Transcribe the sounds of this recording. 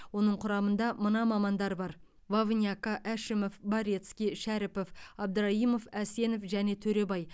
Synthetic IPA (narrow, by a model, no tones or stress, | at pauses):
wo̞nəɴqʰʊɾɑmənd̪ɑmənɑmɑmɑnd̪ɑɾbɑɾ | vavnjɑkɑʔæʃɪmofbɑɾet̪skʲijʃæɾɪpo̞fɑb̚d̪əɾɑimo̞fæse̞nofʒæne̞t̪ʰɵɾe̞bɑj